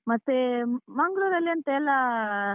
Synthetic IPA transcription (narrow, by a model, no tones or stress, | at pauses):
mɐt̪ːemɐŋɡluɾɐlːeɐnt̪ɐɛlːɐ